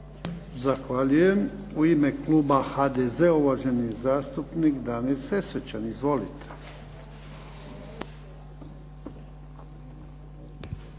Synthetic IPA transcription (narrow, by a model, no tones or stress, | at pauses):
zaxʋaʎuje̞muime̞kluːbaxad̪ezeuʋaʒe̞nizaːst̪upnikd̪anilse̞sʋet͡ɕanizʋo̞lit̪ʰe